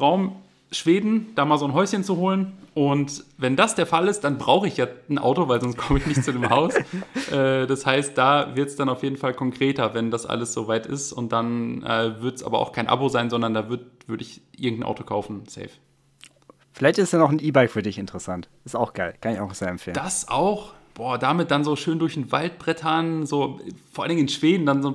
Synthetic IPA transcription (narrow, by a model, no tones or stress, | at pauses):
ʁaʊm | ʃv̥eːdn̩d̥aːmaːlzoːnɦɔʏsçənt͡suɦoːlənʔʊntvɛndasd̥eːɐfalɪst̚d̥anbʁaʊxəɪçjaːn̩ʔa̰ʊtovaɪlzɔnstkʰɔməɪçnɪçtt͡sudeːmɦaʊsʔɛːd̥ashaɪst̚d̥aːvɪɐtsd̥anaʊfjeːdn̩falkʰɔŋkʁ̥eːtɐvɛndasʔa̰ləsz̥oːvaɪtɪ̰stʊnt̚d̥anʔɛ̰ːvɪɐtsʔa̰ːbɐʔa̰ʊxkʰaɪnʔa̰bozaɪnzɔndɐndaːvʏɐdv̥ʏɐɾəɪçʔɪɐɡŋ̩tn̩ʔa̰ʊtʰo̥kʰaʊfn̩sɛ̰ɪf | fɪlaɪçtɪsd̥aːnɔχn̩iːbaɪkfyːɐdɪçɪntəʁəsantʔɪstaʊxɡ̥aɪlkʰanɪçaʊxnɔxz̥eːɐɛmfeːd̥asʔa̰ʊxb̥ɔːɐd̥aːmɪt̚d̥anzoːʃøːndʊɐçn̩va̰lt̚b̥ʁɛtʰɐnzoːfɔːɐʔaldɪŋɪnʃv̥eːdn̩danzoː